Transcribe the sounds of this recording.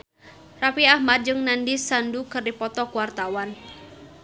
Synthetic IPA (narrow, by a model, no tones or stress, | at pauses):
rapiahmad͡ʒəŋnandisandukərdipɔt̪ɔkuwart̪awan